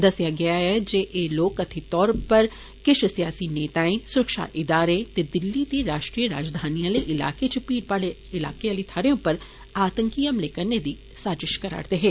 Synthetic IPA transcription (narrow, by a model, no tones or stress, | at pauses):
d̪ɐsjaɡɐjaɛd͡ʒeʔeːloːkɐt̪ʰit̪ɔːɾpɐɾ | kɪʃsijaːsineːt̪aːẽsʊɾəkʃa̰ʔɪd̪aːɾẽt̪ed̪ɪlːit̪eɾaːʃʈɾijəɾaːd͡ʒd̪ʱaːnijãleʔɪla̰ːket͡ʃəpiːɾpaːleɪla̰ːkealit̪ʰaːɾijõpɐɾ | aːt̪ə̃ŋkiəmleːkəɾned̪iː | saːd͡ʒɪʃkɐɾa̰ːɾt̪eɦɛ̃ː